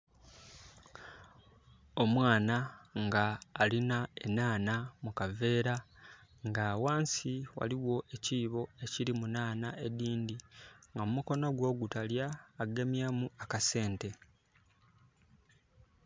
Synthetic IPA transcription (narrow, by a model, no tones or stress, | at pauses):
o̞mwaːnaŋɡaːlinae̞naːnamukave̞ːɾaŋɡaːwaːnsiwa̰liwo̞e̞ciːβo̞e̞ciɾimunaːnaʔe̞diːndiŋɡamumuko̞noɡwo̞ːɡutaljaːɡe̞mjamuakase̞ːnte̞